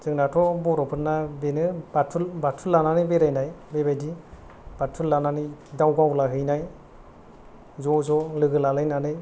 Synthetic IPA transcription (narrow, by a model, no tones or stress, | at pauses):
zɯŋnatʰɔbɔɾɔpʰɯnːabenɯbatʰɯlbatʰulːananɯbeɾajnajbebajdi | b̥atʰɯlːananɯdawɡawlaɦɯjnaj | zɔzɔlɯɡɯlalajnanɯj